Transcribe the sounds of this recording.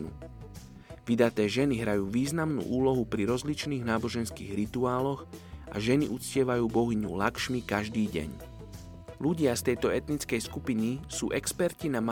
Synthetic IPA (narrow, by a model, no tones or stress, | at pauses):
ṵ | ʋid̪at̪ɛːʒɛniɦɾajuːʋiːznamnṵːʔuːlɔɦupɾiɾɔzlit͡ʃniːɣnaːbɔʒɛnskḭːɣɾit̪uaːlɔɣʔa̰ʒɛniʔut͡scɪɛʋajuːbɔɦiɲṵlakʃmikaʒd̪iːɟɛ̰ɲ | luɟɪast̪ɛjt̪ɔɛt̪nit͡skɛjskupinisṵːʔɛkspɛɾcinam